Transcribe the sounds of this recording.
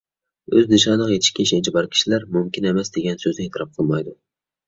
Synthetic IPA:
øzd̪ɨʃɑnlˠəqjet̪ʰɪ̥ʃkʲɛʃɛnt͡ʃʰibɑɾkʲʰi̥ʃilæɾmumkʲɪnemɛsd̪eɡʲɛnsøzɪet̪ʰɾɑp̚qʰəlˠmɑjd̪ʊ

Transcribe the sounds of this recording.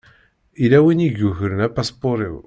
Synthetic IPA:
ilæwiniʝuʝəɾənæpæspoɾˤḭw

